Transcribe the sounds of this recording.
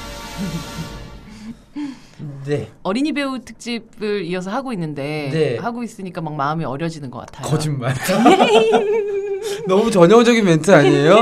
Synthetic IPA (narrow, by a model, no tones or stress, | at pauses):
ne̞ʌɾiɲibe̞utʰɯ̥k̚t͡ɕ͈ib̚ɯɾiʌs̬ʰʌhaɡoinːɯnde̞nehaɡois͈ɯɲik͈amak̚maɯmiʌɾjʌd͡ʑinɯnɡʌk͈a̰tʰakʌd͡ʑinmaɾ | nʌmut͡ɕʌɲʌŋd͡ʑʌɡinmentʰɯaɲiejo